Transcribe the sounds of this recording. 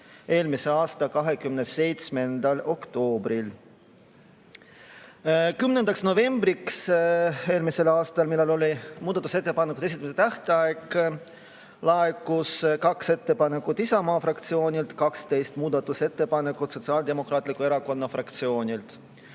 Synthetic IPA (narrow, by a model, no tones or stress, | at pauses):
e̞ːlmise̞ɑːst̪ɑkɑɦe̞kymnese̞jt̪sme̞nd̪̥ɑlo̞kt̪o̞ːbɾil | kymnenɑksno̞ve̞mbɾiks | e̞ːlmise̞lɑːst̪ɑlmilːelo̞limuːd̪̥ɑt̪ːuse̞t̪ːepɑneku̥e̞sit̪ːˑɑmiset̪æht̪eɑek | lɑekːˑuskɑkse̞t̪ːe̞pɑne̞kˑːut̪isɑmɑːfrɑkt̪sio̞ːnʲilt̪kɑkst̪e̞jst̪muːd̪̥ɑt̪ːˑuse̞t̪ːe̞pɑne̞kːˑut̪so̞t̪siɑːld̪e̞mo̞kɾɑːt̪ːˑlikːˑue̞ɾɑko̞nːɑfrɑkt̪sio̞ːnʲilt̪